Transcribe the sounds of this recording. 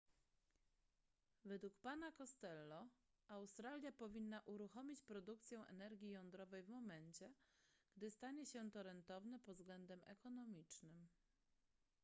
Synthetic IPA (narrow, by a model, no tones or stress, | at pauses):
vɛd̪wukpanakɔst̪ɛlːɔ | awst̪ɾalʲjapɔvʲinːaʔuɾuxɔmʲit͡ɕpɾɔd̪uk̚t̪sʲjɛw̃ʔɛ̰nɛɾɡʲijɔnd̪ɾɔvɛjvmɔmɛnt͡ɕɛɡ̥d̪ɘst̪aɲɛɕɛt̪ɔɾɛnt̪ɔvnɛpɔzɡlɛnd̪ɛmɛ̰kɔnɔmʲit͡ʂnɘm